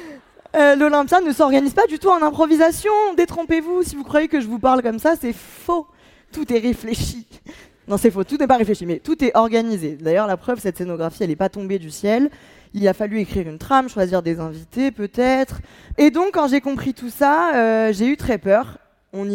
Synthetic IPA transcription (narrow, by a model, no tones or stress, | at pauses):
ølɔlɛ̃pjanəsɔʁɡanizpad̪yt̪uɑ̃nɛ̃pχɔvizasjɔ̃d̪et̪χɔ̃pevusivukχwajekəʒəvupaʁlkɔmsasɛ | fo | t̪ut̪ɛʁefleʃi | nɔ̃sɛfot̪unɛpaʁefleʃimɛt̪ut̪ɛʔɔʁɡanized̪ajœʁlapχœvsɛt̪senɔɡʁafiɛlɛpat̪ɔ̃bed̪ysjɛl | ilafalyekχiʁynt̪χamʃwaziʁd̪ezɛ̃vit̪epøt̪ɛt̪χ | ed̪ɔ̃kːɑ̃ʒekɔ̃pχit̪usaøʒeyt̪χɛpœːʁ | ɔ̃ni